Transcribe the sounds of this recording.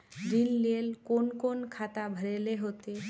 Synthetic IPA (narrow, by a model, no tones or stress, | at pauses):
dinlelkonkonkʰat̪abʱəɾeleɦot̪e